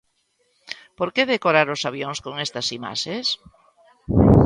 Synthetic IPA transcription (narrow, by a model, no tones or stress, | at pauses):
poɾkeðekoɾaɾosaβjoŋskoŋest̪ɐsima̰ʃes